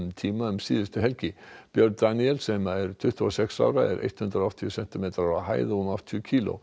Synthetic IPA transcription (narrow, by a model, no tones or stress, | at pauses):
mt̪ʰiːmaʏmsiːðɪst̪ʏɦɛlcɪb̥jœɾ̚d̪aniɛlsɛmaɛɾ̥t̪ʰʏht̪ʰuɔsɛksa̰wɾaɛ̰ɾʔḛjht̪hʏnd̪ɾaɔht̪ɪɔsɛn̥t̪ɪmeːt̪ɾaahaːjðunɔft̪ʰjcʰiːlʊ̰